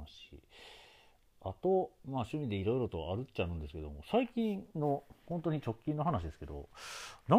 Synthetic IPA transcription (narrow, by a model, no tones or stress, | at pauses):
aɕḭ | a̰t̪o̞maːɕɨmʲid̪e̞iɾo̞iɾo̞t̪o̞aɾɯ̟t͡ɕːaɯ̟̃nd̪e̞sɨ̥ke̞d̪o̞mosaikʲĩnno̞hõ̞nt̪o̞ɲ̟it͡ɕo̞kʲːĩnːo̞ɦanaɕid̪e̞sɨ̥ke̞d̪o̞̰na